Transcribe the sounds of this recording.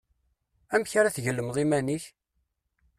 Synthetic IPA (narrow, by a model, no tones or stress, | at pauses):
æmçaɾæθʝəlːəmðˤimæniç